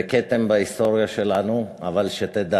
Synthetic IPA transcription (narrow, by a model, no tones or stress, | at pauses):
eket̪embaist̪o̞ʁjaʃelanuavalʃet̪ed̪a